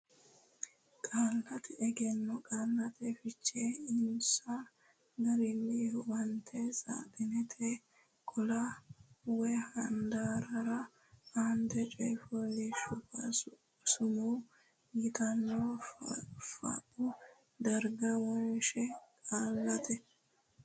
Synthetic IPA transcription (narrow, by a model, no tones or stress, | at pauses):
kʼaːlːɐt̪ɪɛɡɛnːɔkʼaːlːɐt̪ʰɛfɪt͡ʃːeːɪnsa | ɡɐɾɪnːɪhɔwɐnt̪ʰesa̰ːtɪnɛt̪ʰe | kʼʊla | wɛhɐnd̪aːɾɐɾɐ | ant̪ɛt͡ʃʼɔjfɔlːɪʃʊpɐ | sʊmuː | ɡɪt̪ɐnːo | fɐ̰ʔʊ | d̪ɐɾɡɐwɔjʃɛkʼaːlːɐt̪ʰɛ